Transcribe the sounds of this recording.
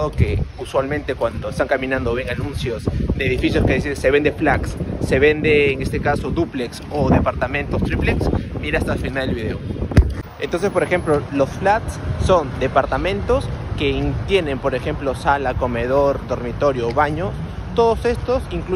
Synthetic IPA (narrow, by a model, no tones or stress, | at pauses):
ðokeuswalmẽnt̪e̞kwand̪o̞est̪aŋkamĩnãnd̪oβeŋanũnsjo̞zðeeːðifisjoskeisiðse̞βe̞nd̪eflaksːe̞βend̪eːŋe̞st̪e̞kasoðupleksoðe̞paɾt̪amẽ̞nt̪o̞st̪ɾipleksmiɾaast̪alfinalelβiðe̞̰o | ent̪o̞nsespo̞ɾexe̞mplolo̞sflat̪sːo̞nd̪e̞paɾt̪amẽ̞nt̪o̞ske̞int̪je̞ne̞mpo̞ɾe̞xe̞mplo̞salako̞me̞ðo̞ɾd̪o̞ɾmit̪o̞ɾjoːβaɲo̞ | t̪o̞ðose̞st̪o̞siŋklu